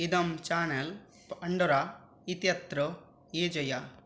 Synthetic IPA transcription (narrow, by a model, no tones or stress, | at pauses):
id̪ɐmt͡ʃaːnɐl | ɐɳɖuɾa | it̪jɐt̪ɾo | eːd͡ʒɐja